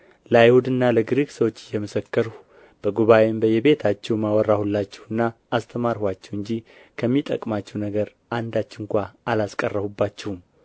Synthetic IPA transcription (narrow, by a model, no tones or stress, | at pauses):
ləajhud̪ɨnːaləɡɾiɡsəwo̞t͡ʃːɪjɛməsəkːəɾu | b̥əɡuβawembəjɛβe̞t̪ʰat͡ʃːɛwmawɔrːahulːat͡ʃːɛ̥wɨnːaː | st̪ʰəmaɾhwat͡ʃːɛwɨnɲd͡ʒikʰəmːit̪ʼə̰kʼmat͡ʃːɛwnəɡəɾ | ʔand̪at͡ʃːɪŋkʷaalaskʼərːəβubːat͡ʃːɛhum